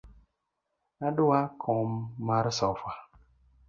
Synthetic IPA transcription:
naɗuwakʰɔmːaɾsɔfa

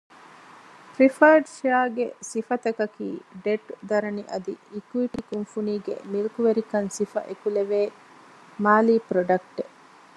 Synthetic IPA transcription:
ɾifɐɾɖʃaːɡḛsifɐt̪ɐkɐkḭːɖeʈd̪ɐɾɐniʔɐd̪iːkuiʈikunfuniːɡḛmilkuʋeɾikɐnsifɐ̰ʔekuleʋeː | maːliːpɾoɖɐk̚ʈe

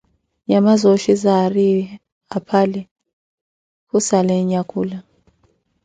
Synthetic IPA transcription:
ɲamazoʃizari | apʰalɛ | kusalɛɲakʰuːla

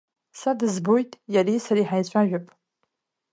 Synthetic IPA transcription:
sadɨzbojtʼjarisaɾiːħajt͡ɕʷʼʰaʒᶣapʼ

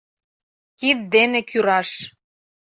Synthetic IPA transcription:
kit̪̚d̪enekʰyɾɑʃ

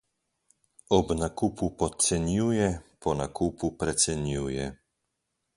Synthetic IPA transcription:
ɔbnakuːpupɔsɛnjuːjɛpʰɔnakuːpupɾɛt̪sɛnjuːjɛ

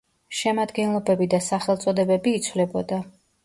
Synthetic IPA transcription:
ʃɛmad̪ɡɛnlˠɔbɛbid̪asaχɛlˠt̪sʼɔd̪ɛbɛbiːt̪sʰwvlɛbɔd̪a

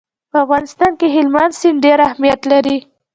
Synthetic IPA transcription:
pəafɣɑnɪst̪ɑnkeɦɪlmansɪnɖeɾahmijat̪laɾi

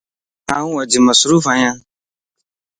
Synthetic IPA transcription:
aʊ̃wɔd͡ʒɪmasʊɾuvaɲã

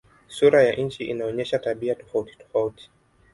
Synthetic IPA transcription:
suɾajaʔɲ̩t͡ʃiʔinaɔɲɛʃataɓiatɔ̥fauti̥tɔ̥fauti̥

